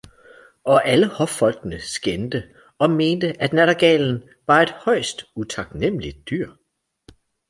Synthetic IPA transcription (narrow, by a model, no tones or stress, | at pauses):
ʔɒ̽ʔæləhɒ̽fɒ̽l̰ɡ̥nəsɡ̥end̥ə | ɒ̽me̝ːnd̥əʔæd̥næɾɐɡ̥ɛ̰ːln̩ | ʋɑ̈e̝d̥hɒ̽ɪ̰sd̥ut͡sʰɑ̈ɡ̥nem̰lid̥̚ːyɐ̰